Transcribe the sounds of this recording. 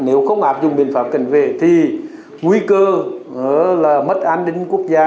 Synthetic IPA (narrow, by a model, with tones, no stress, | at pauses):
ne˨˦wxə˧wŋ͡mʔaː˨˥p̚zʊ˨˩ŋ͡mɓḭ˧˨ənfaː˨˧˥p̚ka̰˧˩jŋ̟vḛ˧˨t̪ʰi˨˩ | ŋwi˧kəː˧ŋɨ̰˧˦əlaː˨˩mə˦˥t̚ʔaː˧nɗï˧ŋ̟ku˦˥ək̚zaː˧